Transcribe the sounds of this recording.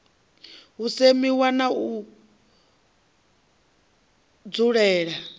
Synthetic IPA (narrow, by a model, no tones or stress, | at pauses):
ɦusemiwanau | d͡zuɺɛːɺa